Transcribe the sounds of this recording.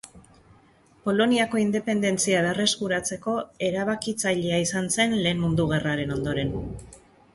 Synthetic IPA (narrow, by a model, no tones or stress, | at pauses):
po̞lo̞niako̞ind̪e̞pe̞nd̪e̞nt͡siaβ̞ere̞skuɾat͡se̞ko̞e̞ɾaβ̞akit͡saʎeaisanse̞nle̞ːnmund̪uɣ̞e̞raɾe̞no̞nd̪o̞ɾe̞n